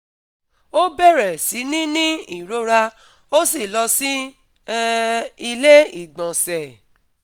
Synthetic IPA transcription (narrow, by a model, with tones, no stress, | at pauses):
o˦bɛ˦˨ɾɛ˨si˨˦nĩ˦nĩ˦i˦˨ɾo˨˦ɾa˧ | o˦si˦˨lɔ˧sĩ˦ | i˧le˦i˦˨ɡ͡bɔ̃˨sɛ˨